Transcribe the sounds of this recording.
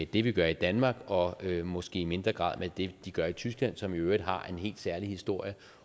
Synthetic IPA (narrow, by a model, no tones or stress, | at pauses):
ed̥e̝ʋiɡ̥ɶɐid̥ænmɑ̈ːɡ̥ɒ̽ømɒ̽sɡ̥e̝̰ːime̝nd̥ʁɐɡ̥ʁɑ̰̈ð̰ˠmʔed̥e̝d̥iɡ̥ɶɐit͡sʰysɡ̥læn̰sɒ̽miøːd̥ˠɦɑ̈e̝nɦe̝̰ːld̥sæɐlihisd̥o̝ɐ̰jə